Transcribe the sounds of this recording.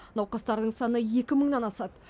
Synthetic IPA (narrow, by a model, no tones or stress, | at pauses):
nɑwqɑst̪ɑɾd̪əɴsɑnəje̞kʲɪməɴnɑnɑsɑt̪